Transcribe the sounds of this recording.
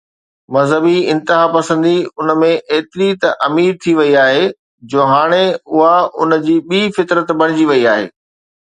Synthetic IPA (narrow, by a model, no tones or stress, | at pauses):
mɐzɦəbiɪ̃nt̪ɪɦapɐsə̃nd̪iʊnəmẽʔeːt̪ɪɾit̪ɐʔɐmiːɾt̪ʰiʋɐiaːɦe | d͡ʑoːɦaːɽ̃eʊɦaʊnə̆d͡ʑiːɓiːfɪt̪ɾət̪bɐɽ̃ɪd͡ʑiʋɐiaːɦḛː